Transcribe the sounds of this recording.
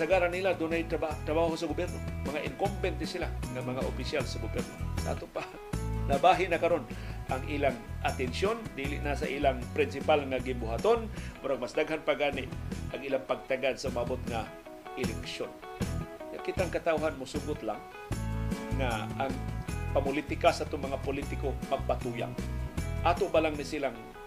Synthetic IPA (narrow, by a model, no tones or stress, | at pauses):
saɡaɾanilad̪ʊnajt̪abat̪ɾabaːɦosaɡʊbjɛɾnomaŋaʔɪŋkombɛnt̪̚nɪsɪlaŋamaŋaʔopɪsjalsaɡʊbɛrnosaʔa̰t̪ʊpa | nabaɦɪnakaɾonʔaŋʔiːlaŋʔat̪ɛnsjond̪ilɪ̰ʔnasaʔilaŋpɾɪnsɪpalŋaɡɪnbʊɦat̪onmʊɾaŋmasd̪aɡɦanpaɡaːnɪʔʔaŋʔiːlaŋpaɡ̚t̪aɡad̪saʊmabot̪ŋa | ʔɪlɛkʃon | ŋakɪt̪aŋkat̪awɦanmʊsuɡʊt̪laŋ | ŋaʔaŋpamʊlit̪ɪkasat̪ʊŋmɐŋapʊlit̪ɪkomaɡ̚pat̪uja̰ŋ̚ʔaːt̪oʔbalaŋnɪsilaŋ